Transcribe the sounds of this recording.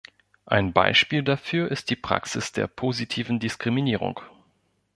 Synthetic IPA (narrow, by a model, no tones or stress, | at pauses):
ʔaɪnba̰ɪʃpiːldafyːɐʔɪst̚d̥iːpʁ̥a̰ksɪsd̥eːɐpʰoːzitʰiːvn̩dɪskʁ̥iminiːʁ̞ʊ̰ŋ